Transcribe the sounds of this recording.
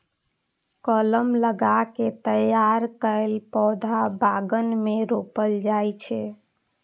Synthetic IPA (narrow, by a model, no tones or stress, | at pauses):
kɔləmləɡaket̪əjaɾkəelpɔd̪ʱabaɡənmeɾopəld͡ʒajt͡ʃʰɛ